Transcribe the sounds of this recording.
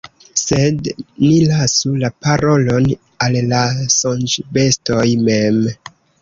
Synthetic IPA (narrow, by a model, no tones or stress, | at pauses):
se̞dnilasulapaɾo̞lo̞n | alːasond͡ʒbe̞sto̞jme̞m